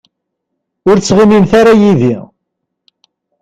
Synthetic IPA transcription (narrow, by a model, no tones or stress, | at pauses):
ʊɾt͡sːʁimimθaɾajiði